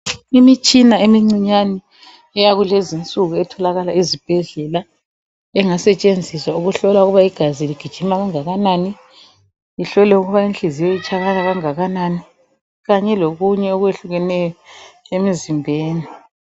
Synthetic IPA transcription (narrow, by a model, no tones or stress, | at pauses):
imit͡ʃʼinaemiŋ͡ǀiɲani | ɛjaɣulezint͡sʼuɣuɛtʰɔlaɣalaizib̥ʱɛɮɛla | ɛŋasɛt͡ʃʼend͡zʱiswauɣuɬɔlauɣuβaiɡ̥ʱaziliɡ̥ʱid̥ʒ̥ʱimaɣaŋaɣanani | iɬɔlɛuɣuβainɬizijojit͡ʃʼaɣalaɣaŋaɣanani | ɣaɲɛloɣuɲɛoɣweɬuɣɛnɛjɔemizimbʱeːni